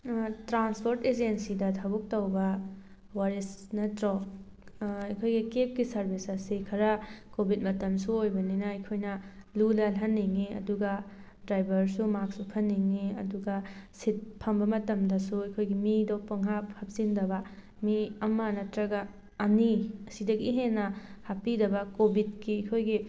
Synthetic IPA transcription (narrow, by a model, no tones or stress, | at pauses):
tɾanspʰoɾted͡ʒensidɐtʰɐbuk̚tɐwbɐ | waɾisnɐtɾɔ | ɐjkʰojɡikep̚kisɐɾbʱisɐsikʰɐɾɐkobʱit̚mɐtɐmsuojbɐninɐːjkʰojnɐ | lulɐlɦɐnːiŋiɐ̰duɡɐ | dɾajbɐɾsumak̚supʰɐnːiŋiɐ̰duɡasit̚pʰɐmbɐmɐtɐmdɐsuɐjkʰojɡimidɔpɐŋɦaphap̚zindɐbɐ | miɐmanɐtɾɐɡaː | niɐsidɐɡiɦenːɐhapidɐbɐkobʱit̚kiɐjkʰojɡi